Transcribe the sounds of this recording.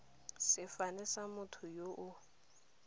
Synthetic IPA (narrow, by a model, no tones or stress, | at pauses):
sɪfanɛsamʊtʰʊjoʔʊ